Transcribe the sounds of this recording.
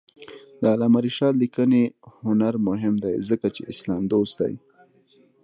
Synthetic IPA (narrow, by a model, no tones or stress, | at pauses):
d̪əalɑmaɾiʃɑt̪likənehʊnaɾmʊɦɪmd̪ajzəkat͡ʃeʔɪslɑmd̪ost̪̚d̪a̰j